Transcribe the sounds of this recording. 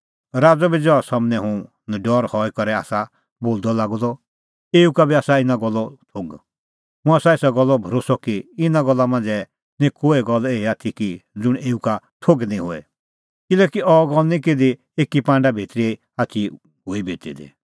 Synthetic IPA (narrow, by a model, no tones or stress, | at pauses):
ɾaːd͡zɔbid͡zɔsɔmnɛɦʊ̃ | nɖɔɾhɔikɔɾɛa̰ːsa | boːld̪ɔlaːɡd̪ɔ | eːukabiaːsaɪnãɡɔlːɔtʰoɡ | ɦʊ̃aːsaeːsaɡɔlːɔbʱɔɾoːsɔkiɪnaɡɔlːamãːnd͡zɛ | nĩkoːeɡɔleːiaːt̪ʰikid͡zʊɽ̃eːuka | ʈʰoɡnĩɦoɛ̰ | kɪlɛkiɔɡɔlnĩked̪i | eːkipãːɳɖabʱit̪ɾie | ati | ɦuibʱet̪ḭd̪ḭ